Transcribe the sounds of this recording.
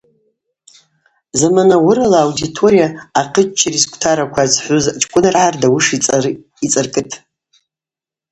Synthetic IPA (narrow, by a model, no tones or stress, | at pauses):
zamanawʊɾalaːwditʰo̞ɾijaːqʰət͡ʃt͡ʃʰːiriskʷʰʼtʰaɾakʷʰazħʷʊzt͡ʃʼkʷʼʊnarʕardawʊʂʼ | it͡sʼɨrkʼɨtʰ